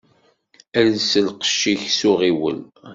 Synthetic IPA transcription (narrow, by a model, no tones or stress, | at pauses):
ælsəlqə̥ʃːiçsʊʁiwə̰l